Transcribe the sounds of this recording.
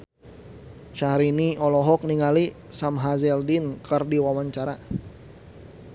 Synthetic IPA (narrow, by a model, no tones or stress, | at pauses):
ʃahɾiniɔlɔɦɔk̚niŋali | samɦazɛldinkʰərdiwawaɲt͡ʃaɾa